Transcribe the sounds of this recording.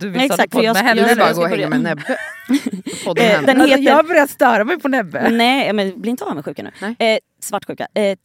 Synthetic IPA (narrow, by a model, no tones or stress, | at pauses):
d̪ɛssak̚t̪fɔɾjɑɛɑɾaɡoːhɛmɛnɛbɛ | pɔd̪d̪ɛnheːjabœɾjat̪st̪œːɾamɛjpʰɔnɛbːɛnɛɑmɛnblɪɾɪnt̪əaːvamɛɧʉ̟ːkanʉ̰ːɛ | svaʈːɧʉ̟ːka̰ɛ